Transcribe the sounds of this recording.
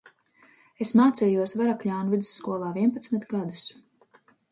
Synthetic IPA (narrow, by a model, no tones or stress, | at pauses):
esmaːt̪sʲɛːjuɔsvaɾakʎʲaːnuvid̪zɨ̥sːkuɔlˠaːviɛnpat̪smit̪ɡad̪u̥s